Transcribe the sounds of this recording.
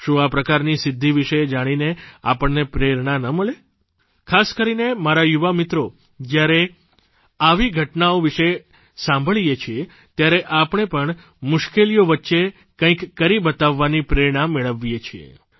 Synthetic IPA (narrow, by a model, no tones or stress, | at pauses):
ʃũapɾəkaɾnisɪd̪ʱːiʋiʃed͡ʒaɽ̃inea̰pəɳːepɾeɾɳanəməɭe | kʰaskəɾinemaɾajuʋamɪt̪ɾo | d͡ʒjaɾe | aʋiɡʱəʈnaoʋiʃe | sãmbʱəɭjet͡ʃʰie | t̪jaɾeʔapəɳ̃epəɳ | mʊʃkelijoʋətːʃe | kə̃ĩkːəɾibət̪aʋːanipɾeɾɳ̃ãmːeɭəʋjet͡ʃʰiḛ